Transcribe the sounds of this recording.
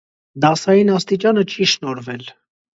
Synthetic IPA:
d̪ɑsɑjinɑst̪it͡ʃɑnət͡ʃʰiʃnɔɾvɛl

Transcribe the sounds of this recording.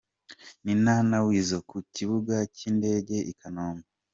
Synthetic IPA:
ninaːnawiːzo̞kuciβuɡaciːnde̞ːɟe̞ʔikʰanoːmɡe

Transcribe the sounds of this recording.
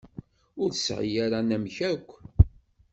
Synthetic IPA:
ʊɾθəsʕḭjaɾanæmçækʷː

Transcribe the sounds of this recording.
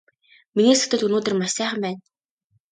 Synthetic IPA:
miniːsɵ̥t̪ə̆ɮunoːt̪ɘ̆rmaʃsæːχə̆mpæːn

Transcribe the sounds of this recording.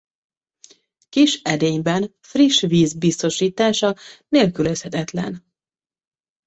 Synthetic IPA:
kiʃɛd̪eːɲbɛn | friʃviːzbist̪o̞ʃiːt̪aːʃɒneːlkyløshɛt̪ɛt̪lɛ̰n

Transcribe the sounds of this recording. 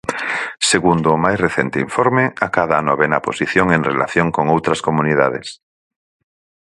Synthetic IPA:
seɣund̪oːmajsreθent̪eiɱfoɾmeakaðaanoβenaposiθjoŋenrḛlaθjoŋkoŋowt̪ɾɐskomuniða̰ðḛs

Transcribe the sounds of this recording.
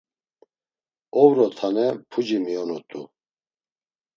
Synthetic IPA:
ɔvɾɔt̪ʰanɛpʰud͡ʒimiɔnɔt̪ʼṵ

